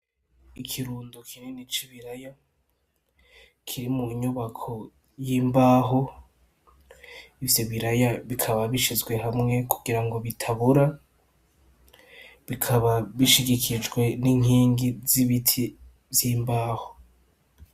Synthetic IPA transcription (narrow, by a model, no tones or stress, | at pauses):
ikʰiɾuːndokʰinenit͡ʃiβiɾaja | kʰiɾimuɲuβakʰo̞ | jiːmbaːɦo | ivjoβiɾajaβikʰaβaβiʃizɡwe̞ɦamŋe̞kʰuɡiɾaŋɡo̞βitʰaβuɾa | βikʰaβaβiʃiɡikʰid͡ʒɡwe̞niŋiːŋɡiziβitʰi | vjiːmbaːho